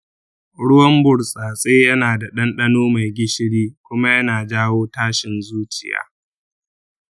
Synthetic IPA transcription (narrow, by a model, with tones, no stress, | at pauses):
ɽʊ˦wɐ˦mbʊ˨ɽsʼaː˨sʼeː˦jɐ˦naː˨da˨ɗɐ˦nɗɐ˦noː˦ma˨jɡʲɪ˦ʃɪ˦ɽiː˦kʷʊ˦ma˦jɐ˦naː˨d͡ʒaː˦woː˦taː˦ʃɪ˨nzuː˦t͡ʃɪ˨ja̰ː˨